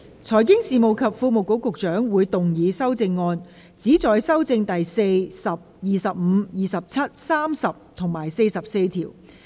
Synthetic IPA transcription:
t͡sʰɔː˨˩jkɪ˥ŋsiː˨mo˨wkʰɐ˨p̚fuː˧mo˨wko˨˥wkʊ˨k̚t͡ʃœː˨˥ŋwuː˨˧jt̪ʊ˨ŋjiː˨˧sɐ˥wt͡sɪ˧ŋːɔː˧n | t͡siː˨˥t͡sɔː˨˧jsɐ˥wt͡sɪ˧ŋt̪ɐ˨jse˧jsɐ˨˩p̚jiː˨˩sɐ˨p̚m̩˨˧jiː˨˩sɐ˨p̚t͡sʰɐ˥t̚saː˥msɐ˨p̚t̪ʰʊ˨˩ŋmaː˨˩jse˧jsɐ˨p̚se˧jt̪ʰḭː˨˩w

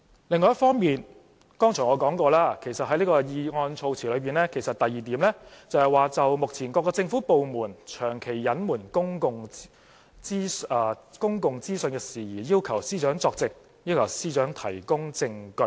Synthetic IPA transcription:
lɪ˨˧ŋːɔː˧jɐ˥fɔː˥ŋmiː˨n | kɔː˥ŋt͡ʃʰœː˨˩ŋɔː˨˧kɔː˨˥ŋkɔː˧laː˥kʰe˨˩jsɐ˨t̚ɐ˨˥li˥kɔː˧jiː˨˧ŋɔː˧nt͡sʰo˧wt͡sʰiː˨˩lɵ˨˧ɥpiː˨nlɛː˥kʰe˨˩jsɐ˨t̚t̪ɐ˨jːiː˨˩t̪iː˨˥mlɛː˥t͡sɐ˨˧whɐ˨jwaː˨˧t͡sɐ˨wmʊ˨k̚t͡sʰiː˨˩nkʷɔː˧kːɔː˧t͡sɪ˧ŋfu˨˥po˨wmuː˨˩nt͡ʃʰœː˨˩ŋkʰe˨˩jːɐ˨˥nmuː˨˩nkʊ˥ŋkʊ˨ŋ˥˧ | kʊ˥ŋkʊ˨ŋt͡siː˥sɵ˧nkɛː˧siː˨˩jiː˨˩jiː˥wkʰɐ˨˩wsiː˥t͡ʃœː˨˥ŋt͡sɔː˧k̚t͡sɪ˨k̚ | jiː˥wkʰɐ˨˩wsiː˥t͡ʃœː˨˥ŋt̪ʰɐ˨˩jkʊ˥ŋt͡sɪ˧ŋkɵ˧˥

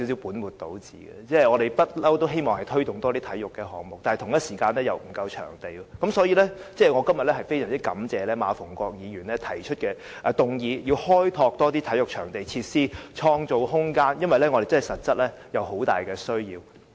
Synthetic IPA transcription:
i˧˥s̬i˨˥wpuː˨˥nwuː˨˩t̚t̪o˨˥wt͡sḭː˨˥ɡɛ̰˧t͡sɛː˥˨ŋɔː˨˧ɾe˨jpɐ˥t̚lɐ˥wt̪o˥wɦe˥jmɔː˨ŋhɐ˨jt̪ʰɵ˥ɥt̪ʊ˨˩ŋt̪ɔː˥t̪iː˥t̪ʰɐ˨˥jʊ˨kːɛː˧ɦɔː˨˥ŋmʊ˨k̚t̪aː˨n˨˩t̪ʰʊ˨ŋjɐ˥t̚siː˨˩kaː˧nlɛː˥jɐ˨wm̩˨˩kɐ˧wt͡ʃʰœ̰ː˨˩ŋt̪e˨jɔ˧kɐ˨˦msɔː˨˥jiː˧lɛ˥t͡sɛː˥˩ŋɔː˨˧kɐ˥mjɐ˨t̚ɛː˥ɦɐ˨jfe˥jsœː˨˩ŋt͡si˦˥kɐ˨˥mt͡sɛː˨lɛː˥maː˨˧fʊ˨˩ŋkʷɔː˧k̚jiː˨˧jyː˨˩nlɛ˥t̪ʰɐ˨˩jt͡ʃʰɵ˥t̚kɛː˧ | ʔt̪ʊ˨ŋjiː˨˧jiː˧whɔː˥jt̪ʰɔː˧k̚t̪ɔː˥t̪iː˥t̪ʰɐ˨˥jʊ˨k̚t͡ʃʰœ̰ː˨˩ŋt̪e˨jt͡sʰiː˧t̚siː˥t͡ʃʰɔː˧ŋt͡so˨whʊ˥ŋkaː˥njɐ˥nwɐ˨jlɛ˥ŋɔ˨˧ɾe˨jt͡snhjsɐ˨˩t̚t͡sɐ˥t̚lɛː˥jɐ˨wɦo˨˧˥wt̪a̰ː˨jkɛː˧sɵ˥ɥjiː˧w

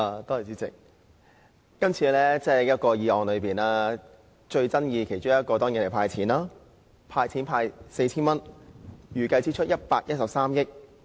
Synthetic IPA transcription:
aː˨˧t̪ɔː˥˩˨t͡siː˨˥t͡sɪ̰˨k̚ | kɐ˥mt͡sʰiː˨˧lɛː˥t͡sɛː˥jɐ˥t̚kɔː˧jiː˨˧ɔː˨˧nlɵ˨˧ɥpiː˨˩naː˦˥ | t͡ʃɵ˧ɥt͡sɐ˥njiː˧kʰe˨˩jt͡ʃʊ˥ŋjɐ˥t̚kɔː˧t̪ɔː˥ŋji˨nle˨˩pʰaː˧jt͡sʰiː˨˥naː˥ | pʰaː˧jt͡sʰiː˨˥npʰaː˧jse˧jt͡sʰiː˥nmɐ˥njyː˨˩kɐ˧jt͡siː˥t͡ʃʰɵ˥t̚jɐ˥t̚paː˧k̚jɐ˥t̚sɐ˨p̚saː˥mjɪ˥k̚

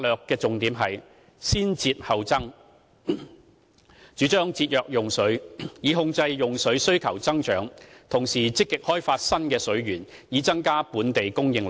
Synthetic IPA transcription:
a˧lœː˨kːɛː˧t͡sʊ˨ŋt̪iː˨˥mɦɐ˨j | siː˥nt͡siː˧t̚hɐ˨wt͡sɐ˥ŋ | t͡ʃyː˨˥t͡ʃœː˥ŋt͡siː˧t̚jœː˨k̚jʊ˨ŋsɵ˨˥ɥjiː˨˧ɦʊ˧ŋt͡sɐ˧jjʊ˨ŋsɵ˨˥ɥsɵ˥ɥkʰɐ˨˩wt͡sɐ˥ŋt͡ʃœː˨˥ŋt̪ʰʊ˨˩ŋsiː˨˩t͡sɪ˥kːɪ˨k̚hɔː˥jfaː˧t̚sɐ˥nkɛː˧sɵ˨˥ɥɥyː˨˩njiː˨˧t͡sɐ˥ŋkaː˥puː˨˥nt̪e˨jkʊ˥ŋjɪ˧ŋl

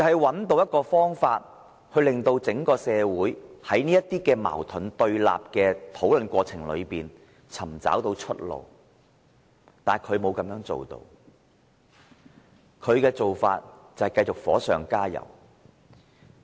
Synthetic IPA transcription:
hɐ˨˩jwɐ˨˥nt̪o˧wjɐ˥t̚kɔː˧fɔː˥ŋfaː˧t̚ | hɵ˧ɥlɪ˨ŋt̪o˧wt͡sɪ˨˥ŋkɔː˧sɛː˨˧wuː˨˥jhɐ˨˥jniː˥jɐ˥tt̪iː˥kɛː˧ma̰ː˨˩wt̪ʰɵ˨˥nt̪ɵ˧ɥla̰ː˨p̚kɛː˧t̪ʰo˨˥wlɵ˨˧nkʷɔː˧t͡sʰɪ˨˩ŋlɵ̰˨˧ɥpiː˨n | t͡sʰɐ˨˩mt͡sa̰ː˨˥wt̪o˧wt͡ʃʰɵ˥t̚lo̰˨˩w | t̪aː˨nkʰɵ˨˧ɥmo˨˧wkɐ˨˥mjœː˨˥ŋt͡so̰˨wt̪o̰˧w | kʰɵ˨˧ɥkɛː˧t͡so˨wfa̰ː˧t̚t͡sɐ˨˩hɐ˨˩jkɐ˧jt͡sʊ˨k̚fɔ̰ː˨˥sœː˨˩ŋkaː˥jɐ̰˨˩w

